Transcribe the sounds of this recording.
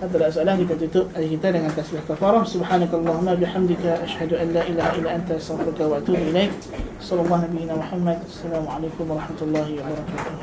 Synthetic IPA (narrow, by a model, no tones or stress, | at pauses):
haːðalʔas̬ʔalaːkɪt̪abt̪ʊt̪ʊʔʔakɪt̪aːblakant̪asbɪħkafɑːɾˤɑsʊbħaːnakʔɑlˤːɑːhʊmːabɪħamd̪ɪkaʔaʃhad̪ʊʔanlaːʔɪlaːhaʔɪlːaːʔant̪aʔast̪aɣfɪɾʊkawaʔat̪uːbʔɪlejk | ʔasˤʔɑlːɑlˤːɑːhnabijːɪnaːmʊħamːad̪asːalaːmʊʕalejkʊmwɑɾˤɑħmat̪lˤːɑːhɪwabɑɾˤɑkaːt̪ʊh